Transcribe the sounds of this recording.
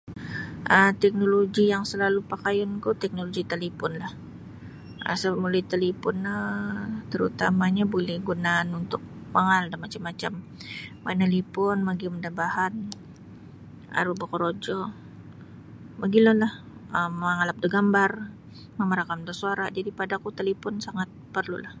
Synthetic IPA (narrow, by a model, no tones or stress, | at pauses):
ʔəmt̪ɛk̚noloɡijaŋsəlalupakajʊnkut̪ɛk̚noloɡit̪əlipɔnlah | ʔə̰səmulajt̪əlipɔnət̪əɾut̪amaɲabolɛhɡunaːnunt̪ʊk̚ | maŋaldamat͡ʃamːat͡ʃamː | analipʊnmaɡimdabahan | a̰ɾubakoɾod͡ʒɔ | maɡilʊnlah | əmaŋalap̚dəɡambar | mamaɾakamdasuaɾad͡ʒadipadakut̪əlipʊnsaŋat̪̚pərlṵlah